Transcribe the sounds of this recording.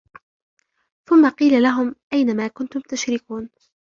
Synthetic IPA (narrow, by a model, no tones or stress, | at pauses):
θʊmːaqiːlalaɦʊmʔajnamaːkʊnt̪ʊmt̪aʃɾɪkuːn